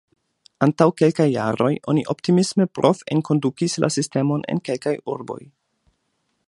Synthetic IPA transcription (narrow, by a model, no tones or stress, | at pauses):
antawke̞lkajːa̰ɾo̞̰jʔo̞̰niʔo̞ptimismepɾʔo̞fe̞̰nko̞ndukislʔa̰siste̞mo̞ne̞̰nke̞lkajuɾbo̞̰j